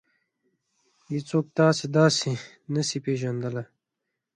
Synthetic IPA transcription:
jit͡soːk̚t̪aːsid̪aːsi | nɐsipeːʒɐnd̪əlɐ

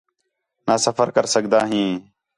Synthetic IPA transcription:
naːsəfəɾkəɾsəɠd̪aːɦĩː

